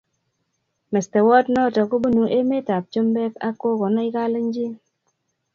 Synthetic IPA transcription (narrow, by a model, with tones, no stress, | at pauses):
mɛ˨stɛ˨wɔ˦tnɔ˦tɔ˨ku˦bu˦nu˨ʔe˦me˦ta˨p̚t͡ʃo˦mbɛ˦ka˦kːo˦kɔ˨nɔ˦i˦ka˦le˦ɲ˦d͡ʒi˦